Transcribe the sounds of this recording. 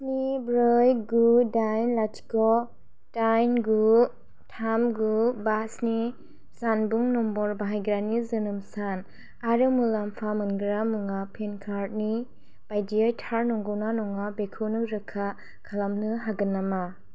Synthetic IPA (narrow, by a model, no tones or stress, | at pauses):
snibɾɯjɡudajnlatʰi̥kɔ | tajnɡu | tʰamɡubasni | zanbuŋnɔmbɔɾbaɦajɡɾanizɯnɯmsan | aɾɯmɯlampʰamɯnɡɯɾamuŋapʰenkʰaɾt̚ni | b̥ajdiɯjtʰaɾnɔŋɡɔwnanɔŋabekʰɯnɯɾɯkʰa | kʰalamnɯɦaɡɯnːama